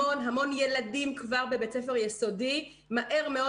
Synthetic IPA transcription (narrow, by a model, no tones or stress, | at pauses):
onɦamo̞njeladimkvaʁbebet͡sefeʁjeso̞di | maʔe̞ʁme̞o̞